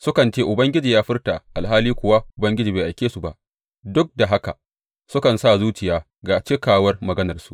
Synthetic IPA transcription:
sʊ˦kɐ˨nt͡ʃeː˦ʔʊ˨bɐ˦ŋɡʲɪ˦d͡ʒiː˨jaː˦ɸɪ˦rta˨ʔa˨lɦaː˦liː˦kʷʊ˨wa˦ʔʊ˨bɐ˦ŋɡʲɪ˦d͡ʒiː˨beː˨ʔa˨jkʲeː˦su˨ba̰˦˨ʔ | dʊ˦k̚da˨ɦa˦ka̰˨ | sʊ˦kɐ˨nsa˦˨zuː˦t͡ʃɪ˨jaː˦ | ɡaː˨t͡ʃɪ˦kaː˨wɐ˦rmɐ˨ɡɐ˦nɐ˨rsu̥˦ʔ

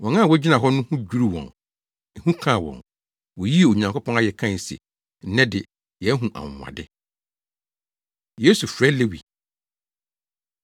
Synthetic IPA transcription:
wɔ̃˨ŋã˦˨wɔ˦d͡ʑi˦nã˨ɦɔ˦nʊ̃˦hũ˦d͡ʑᶣu˦ɾi˦wɔ̰̃˨n | ɛ˨hũ˦kʰã˦˨wɔ̰̃˨n | wɔ˨ji˦e˨o˨ɲã˨ŋko˦pʰɔ̃˦a˦jɛ˨kʰã˦˨sɛ̰˨ | n̩˦nɛ̃˦dɪ˨ | jɛ˨˦ɦũ˨ʔa̰˨ŋ˨ã̰˨dɪ˦ | je˦su˨fɾɛ˦le˦wḭ˨

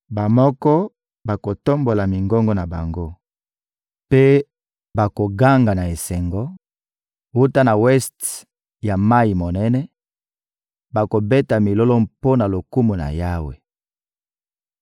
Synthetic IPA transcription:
ba˨mɔ˦kɔ˦ | ba˨ko˨to˦mbo˨la˨mi˨ŋɡɔ˦ŋɡɔ˦na˨ba̰˨ŋɡo˦ | pe˦ | ba˨ko˨ɡa˦ŋɡa˨na˨e˨sɛ˨ŋɡɔ˦ | wu˦ta˦na˨wɛ˦st | ja˨ma˦ji˨mo˨nɛ˦nɛ˦ | ba˨ko˨bɛ˦ta˨mi˨lɔ˦lɔ˦mpo˦na˨lo˨ku˦mu˨na̰˨ja˦wḛ˨

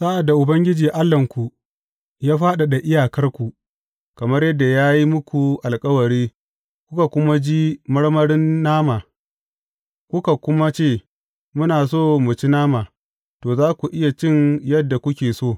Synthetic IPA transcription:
sa˦ʔa˨dːa˨ʔʊ˨bɐ˦ŋɡʲɪ˦d͡ʒiː˨ʔa˦lːɐ˨ŋkʷu˨ | jaː˦ɸaː˦ɗa˨ɗa˨ʔɪ˦jaː˨kɐ˦rkʷu˨ | kɐ˨mɐ˦rjɐ˦dːa˨jaː˦ji˦mʊ˦kʷu˨ʔa˨lkʼɐ˦wɐ˨ɾiː˦ | kʷʊ˦ka˨kʷʊ˦ma˦d͡ʒi˦mɐ˦ɽmɐ˦ɽɪ˦nːaː˦maː˨ | kʷʊ˦ka˨kʷʊ˦ma˦t͡ʃeː˦˨ | mʊ˦naː˨soː˦mʊ˨t͡ʃi˦naː˦maː˨ | toː˨zaː˦kʷu˨ʔɪ˦ja˨t͡ʃɪ˦njɐ˦dːa˨kʷʊ˦kʲeː˨soː˦˨

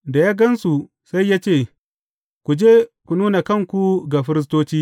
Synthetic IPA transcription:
da˨jaː˦ɡɐ˦nsu˨ | sa˦jːaː˦t͡ʃeː˦˨ | kʷu˨d͡ʒeː˦kʷu˨nuː˦na˨kɐ˦˨ŋkʷu˨ɡa˨ɸɪ˦ɾɪ˦s̬toː˦t͡ʃiː˦

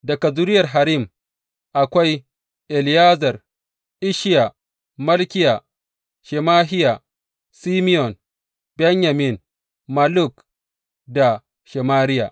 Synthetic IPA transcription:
dɐ˨ka˨zu˦ɾɪ˦jɐ˨rɦa˨ɾi˦˨m | ʔa˨kʷa˦j | ʔɛ˨ljaː˦zɐ˨r | ʔɪ˦ʃɪ˦ja˨ | mɐ˦lkʲɪ˦ja˨ | ʃɛ˨maː˦ɦɪ˦ja˨ | si˦mɪ˦jɔ˨n | bɛ˦ɲja˨mɪ˨n | ma˦lʊ˦˨k | da˨ | ʃɛ˨maː˦ɾɪ˦ja̰˨ʔ

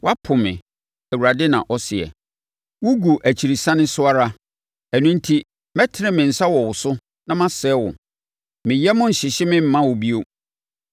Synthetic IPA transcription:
wa˦pʰʊ˨mɪ̰̃˨ | æ˨wu˨ɾa˨dɪ˦nã̰˨ʔɔ˦sɪ˨ɛ̰˨ | wʊ˦ɡu˨ʔæ˨t͡ɕʰi˨ɾi˨sã˦nɪ̃˦sʊ˦a˦ɾa˦ | æ˨nʊ̃˦n̩˦tʰi˦ | mɛ˦tʰɪ˨ɾɪ̃˦˨mɪ̃˨n̩˨sa˦wɔ˨wʊ˨sʊ˦ | nã˦mã˦sɛ˦wʊ̰̃˨ | mɪ̃˨jɛ˦mʊ̃˦n̩˨ɕɪ˨ɕɪ˦mɪ̃˦m̩˨˦mã˦wʊ˨bi˦o˦

